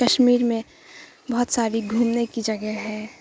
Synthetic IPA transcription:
kəʃmiːɾmẽ | bɐɦʊt̪saːɾiɡʱũːnnekid͡ʒɐɡəɦɦɛ̃ː

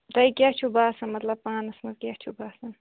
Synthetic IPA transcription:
d̪ɐikʲaht͡ʃʰubaːsɐnmɐt̪lɐb̚pãːnɐsmɐzkʲaht͡ʃʰubaːsɐn

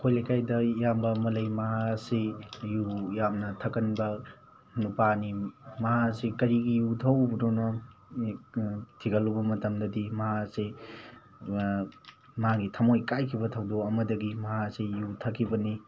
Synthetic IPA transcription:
kʰojlajkʰajdɐjambɐmɐlɐjmaɦasejujamnɐtʰɐkɐnbɐ | nupanimaɦasekɐɾiɡijutʰɐwbudonɔ | tʰiɡɐlubɐmɐtɐmdɐdimɐɦase | mɦaɡitʰamojkajkʰibɐtʰawdɔɐmɐdɐɡimɐɦasejutʰɐkʰːibɐni

